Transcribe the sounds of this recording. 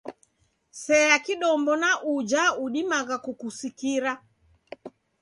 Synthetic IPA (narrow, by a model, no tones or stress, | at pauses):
sɛakiɗɔmbɔnaʔud͡ʒauɗimaɣakukusikiɾa